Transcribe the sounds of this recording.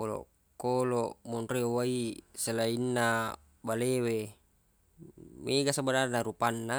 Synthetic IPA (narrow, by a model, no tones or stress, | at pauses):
kolɔ̰ | koloʔmɔnreowaiselainːa | balewe | meɡasabadarnaɾupanːa